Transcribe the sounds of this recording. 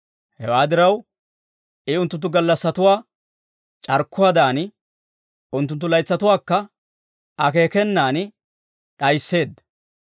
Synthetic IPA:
hɛwaːd̪ɪɾɐw | ʔɪʊnt̪ːʊnt̪ːʊɡɐlːɐsːɐt̪ʊwaː | t͡ʃʼɐɾkʰːʊwɐːd̪aːn | ʊnt̪ːʊnt̪̬ːʊlɐjt͡sːɐt̪ʊwaːkːɐ | ɐke̞ːkɛnːaːnɪ | ɗɐjsːe̞ːd̪ɐ

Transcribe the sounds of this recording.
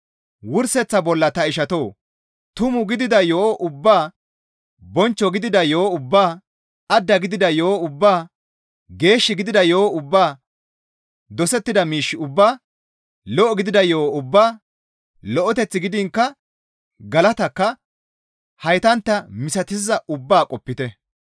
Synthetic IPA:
wʊɾsɛt͡sːɐbɔlːɐt̪ɐɪʃɐt̪o̞ː | t̪ʊmʊɡɪd̪ɪd̪ɐjoːʔʊbːaː | bɔnt͡ʃːɔɡɪd̪ɪd̪ɐjoːʊbːaː | ɐd̪ːɐɡɪd̪ɪd̪ɐjoːʊbːaː | ɡe̞ːʃːɪɡɪd̪ɪd̪ɐjo̞ːʊbːaː | d̪ɔsɛt̪ːɪd̪ɐmiːʃːɪʊbːaː | lɔʔɔɡɪd̪ɪd̪ɐjo̞ːʊbːaː | lɔʔɔt̪ɛt͡sːɪɡɪd̪ɪŋkːɐ | ɡɐlɐt̪ɐkːɐ | hɐjt̪ɐnt̪ːɐmɪsɐt̪ɪzɐʔʊbːaːkʼɔpːɪt̪ɛ

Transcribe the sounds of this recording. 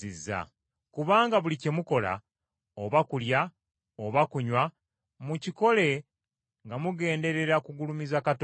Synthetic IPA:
izːa̰ | kuβaːŋɡaβulicemuko̞la̰ | oβakulja | oβakuɲwa | muciko̞le̞ | ŋɡamuɡe̞ːnde̞ɾe̞ɾakuɡulumizakat

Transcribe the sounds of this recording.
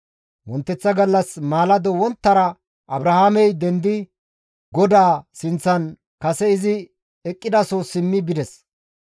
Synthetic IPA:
wɔnt̪ːɛt͡sːɐɡɐlːɐsmaːlɐd̪ɔwɔnt̪ːɐɾɐ | ʔɐbɾɐhaːmɛjd̪ɛnd̪ɪ | ɡɔd̪aːsɪnt͡sːɐn | kɐsɛɪzɪ | ɛkʼːɪd̪ɐsoːsɪmːɪbɪd̪ɛs

